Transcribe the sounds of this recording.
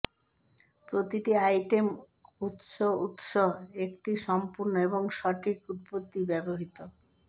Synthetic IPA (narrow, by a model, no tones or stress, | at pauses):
pɾot̪iʈiajʈem | ut̪ʃout̪ʃoek̚ʈiʃɔmpuɾnoeboŋʃɔʈʰikut̪̚pot̪ːibɛboɦit̪o